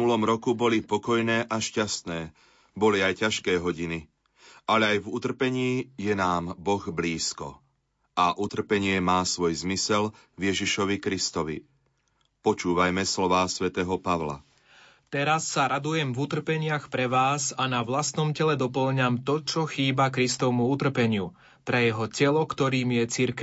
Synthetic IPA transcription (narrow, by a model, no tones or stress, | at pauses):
ulɔmɾɔkubɔlipɔkɔjnɛːʔaʃcast̪nɛː | bɔliajcaʃkɛːɦɔɟini | ʔalɛajvut̪r̩pɛɲiːjɛnaːmbɔɣbliːskɔ̰ | aʔut̪r̩pɛɲɪɛmaːsʋɔjzmisɛl | vjɛʒiʃɔʋikɾist̪ɔʋḭ | pɔt͡ʃuːʋajmɛslɔʋaːsʋɛt̪ɛːɦɔpaʋla̰ | t̪ɛɾasːaɾad̪ujɛmvut̪r̩pɛɲɪaxpɾɛʋaːsanaʋlast̪nɔmcɛlɛd̪ɔpl̩ɲamt̪ɔt͡ʃɔxiːbakɾist̪ɔʋmuut̪r̩pɛɲɪu | pɾɛjɛɦɔcɛlɔkt̪ɔɾiːmjɛt͡siɾk